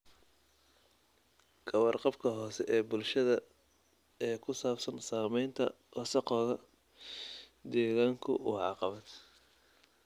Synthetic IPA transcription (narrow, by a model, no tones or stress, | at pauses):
ɡʰɐwɐrqɑbkʰɐɦɔːsɛʔɛːbʊlʃɐðɐ | ɛːkʰʊsaːbsɐnsaːmɛjnt̪ʰɐ̰ | ʔɔsɐqɔːɣɐ | d̪ɛːɣaːŋkʰʊ̰uʕɑ̰qɑβɐd̪